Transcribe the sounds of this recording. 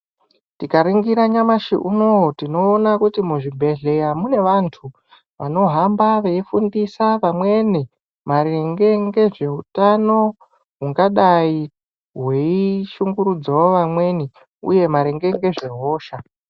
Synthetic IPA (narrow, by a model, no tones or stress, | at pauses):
tikaɾiŋɡiɾaɲamaʃḭʔunowotino̞ːnakutimuʐibʱe̞ɮe̞jamune̞ʋantʰu | ʋano̞ɦambaʋe̞ifundisaʋamwe̞ni | maɾeŋɡe̞ŋɡe̞ʐe̞utano̞ | ɦuŋɡaɗai | ɦwe̞iʃuŋɡuɾud͡zawoʋamwe̞ni | ṵje̞maɾeŋɡe̞ŋɡe̞ʐe̞ɦo̞ːʃa